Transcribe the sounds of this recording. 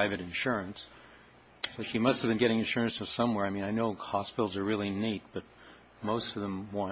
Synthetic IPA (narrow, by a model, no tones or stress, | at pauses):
aɪvɨɾɨ̃nʃʊɹɨ̃nsː | oʊʃimʌsthɨvbɨ̃nɡɛɾɪ̃ŋɨ̃nʃʊɹɨ̃nsʌv̥sʌ̃mwɛɹaɪmĩnaɪnoʊhɑspɪɾl̩ˠzə˞ɹɪlˠinit̚b̥ʌt̚ | moʊstʌvðə̃mwɑ̃